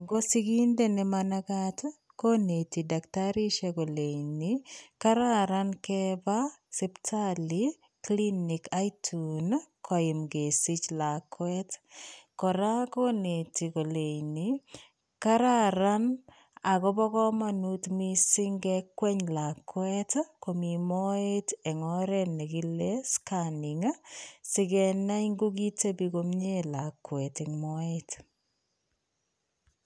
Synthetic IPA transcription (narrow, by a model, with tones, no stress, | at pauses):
ŋɡo˦si˦ki˦nde˦nɪ˦mana˦ka˦t | ko˦ne˨ti˨da˨ktaɾi˦ʃe˨ko˨le˨ini˨ka˦ɾa˦ɾa˦nkɛba˦si˦ptʰa˦li | kli˦ni˨kʰa˦jtʰunkʰɔ˨ɪ˨mɡe˨si˦t͡ʃla˨kwɛ˦tkɔ˨ɾa˦ko˦ne˨ti˨ko˨le˨jni˨ | ka˦ɾa˦ɾa˦n | a˨kɔ˦bɔ˦kɔ˦ma˦nu˦tmi˦si˦ŋɡɛ˦kwɛ˦ɲla˨kwɛ˦tko˨mi˨mɔ˦e˦te˨ŋɔ˦ɾɛ˦ne˨ki˦le˦ska˨ni˨ŋa˦sɪ˦kɛ˨na˦i˦ŋɡu˦ki˦te˦bi˨ko˦mɲe˦la˨kwɛ˨tɪŋmɔ˦et